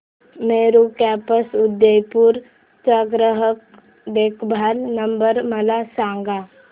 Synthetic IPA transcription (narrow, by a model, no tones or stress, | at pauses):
meːɾukɛpəsʊd̪ːəjpuɾ | t͡ʃaɡɾəɦək̚ | d̪eːkʰbʱalnəmbəɾməlasãŋɡa